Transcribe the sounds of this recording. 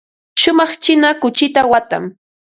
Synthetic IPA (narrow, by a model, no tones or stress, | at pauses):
ʃʊmɑχt͡ʃɪnakʊt͡ʃɪt̪awat̪a̰m